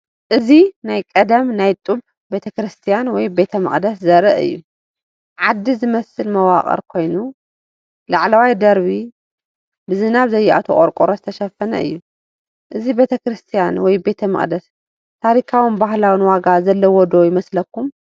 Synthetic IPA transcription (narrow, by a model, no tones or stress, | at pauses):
ʔɨzinajkʼɐd̪ɐmnajt̪ʼub | be̞t̪ʰɐkɾɨst̪ʰijanwɔjbe̞t̪ʰɐmɨ̰χʼd̪ɐszɐɾɐʔɨ̰jːu | ʕad̪ːizɨmɐsɨlmɐwaχʼɐ̰ɾkʰo̞jnu | laʕlawajd̪ɐɾβi | bɨzɨnaβzɐjːɛʔa̰t̪ʰoχʼoɾkʼoɾozɨt̪ʰɐʃɐfɐnɐ̰ʔɨ̰jːu | ʔɨzibe̞t̪ʰɐkɾɨst̪ʰijanwɔjbe̞t̪ʰɐmɨ̰χʼd̪ɐs | t̪ʰaɾikʰawɨnbaɦlawɨnwaɡazɐlːɐwɔd̪ojɪmɐslɐkːum